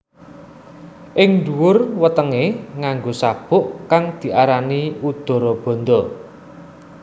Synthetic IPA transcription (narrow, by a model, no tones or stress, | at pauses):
ʔɪŋɳd̪uwʊrwət̪əŋeŋaŋɡosab̥ʊ̤ʔkaŋd̪̥i̤ʔaɾaniud̪̥ɔ̤ɾɔb̥ɔ̤nd̪ɔ